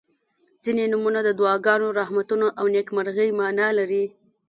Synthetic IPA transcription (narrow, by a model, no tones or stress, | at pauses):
zinenumunad̪əd̪wɑɡɑnoɾahmat̪unoʔawnekmaɾɣəjmɑnɑlaɾi